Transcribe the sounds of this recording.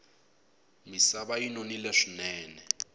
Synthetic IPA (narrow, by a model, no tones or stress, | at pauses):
misaβajinonilɛʂinɛːnɛ